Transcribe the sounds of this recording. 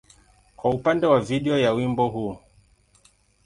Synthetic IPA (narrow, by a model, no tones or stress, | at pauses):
kwaupandɛwaviɗɛɔjawimbɔɦu